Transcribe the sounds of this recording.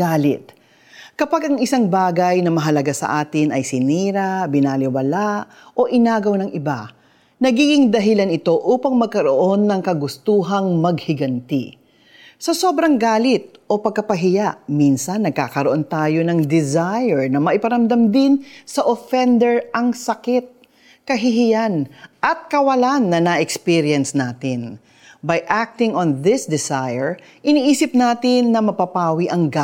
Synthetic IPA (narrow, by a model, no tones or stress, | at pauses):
aːlɪt̪̚ | kɐpaɡʔɐŋɪsaŋbaːɡɐjnɐmɐɦɐlɐɡasɐ̰ʔaːt̪ɪnɐjsɪniːɾabɪnaːlɪwɐlaʔ | ʔo̞ʔɪnaːɡɐwnɐŋɪba | nɐɡiːɡɪŋd̪ɐɦɪlanɪt̪o̞ʔuːpɐŋmɐɡ̚kɐɾoʔo̞nːɐŋkɐɡʊst̪uːɦɐŋmɐɡ̚hɪɡɐnt̪ɪ̰ | sɐso̞ːbɾɐŋɡaːlɪt̪̚ʔo̞pɐɡ̚kɐpɐɦɪjaʔminsɐnːɐɡ̚kaːkɐɾoʔont̪aːjo̞nɐŋd̪ɪzajɛɹnɐmɐʔɪpɐɾɐmd̪ɐmd̪ɪnsɐʔofɛnd̪ɛɹʔɐŋsɐkɪt̪̚ | kɐɦɪɦɪjanʔɐt̪̚kɐwɐlanːɐnɐʔɛkspiɾjɛnsnaːt̪ɪn | bɐjʔak̚t̪ɪŋonðɪsd̪ɪsajɛɹ | ʔɪniːʔiːsɪp̚naːt̪ɪnːɐmɐpapaːwiʔɐŋɡa